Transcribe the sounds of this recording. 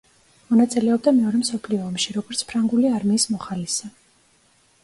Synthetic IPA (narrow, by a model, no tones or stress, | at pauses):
mɔnat̪sʼilɛɔb̚d̪amɛɔɾɛmsɔpʰliɔːmʃiɾɔɡɔɾt̪sʰpʰɾaŋɡuliaɾmiːsmɔχalisa